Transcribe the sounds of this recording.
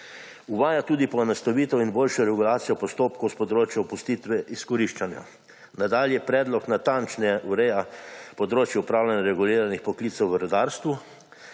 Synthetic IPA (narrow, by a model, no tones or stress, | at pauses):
uʋaːjat̪uːd̪ipɔnast̪aʋiːt̪ɔinboːlʃjɔɾɛɡulaːt̪sijɔpɔst̪oːpkowspɔd̪ɾoːt͡ʃjɔpust̪iːt̪ʋɛʔiskɔɾiʃt͡ʃanja̰ | nad̪aljɛpɾɛːd̪lɔknat̪ant͡ʃnɛʔuɾɛjapɔd̪ɾoːt͡ʃjɛupɾaːwlʲanaɾɛɡuliːɾanixpɔkliːt̪sɛwʋəɾɔd̪aːɾst̪ʋu